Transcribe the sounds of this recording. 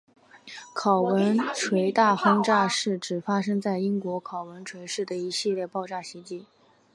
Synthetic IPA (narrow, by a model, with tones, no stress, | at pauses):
kʰɑ˨˩ʊwə˧˥nʈ͡ʂʰwe˧˥ɪt̪a˥˩xɤ˥ŋʈ͡ʂa˥˧ʂɻ̩˥˩ʈ͡ʂɻ̩˨˩fa˥ʂɤ˥ŋt͡sa˥˩ɪi˥ŋkwɔ˧˥kʰɑ˨˩ʊwə˧˥nʈ͡ʂʰwe˧˥ɪʂɻ̩˥˩d̪ə˩i˧˥ɕi˥˧ljɛ˥˧pɑ˥˧ʊʈ͡ʂa˥˩ɕi˧˥t͡ɕi˧˥